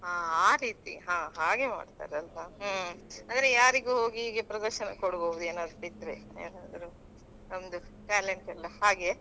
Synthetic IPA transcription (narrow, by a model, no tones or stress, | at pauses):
aːaːɾiːt̪ḭɦãːɦaːɡe̞ma̰ːɖt̪a̰ːɾeɐlʋɐ | and̪ɾejaːɾiɡuɦo̞ːɡiɦiːɡepɾɐd̪ɐɾʃɐnɐ̰koɽɡoːʋud̪ueːnaːd̪ɾuit̪ːɾeḛːnaːd̪ɾu | ond̪uʈaːleɳʈɐlɐhaːɡe̞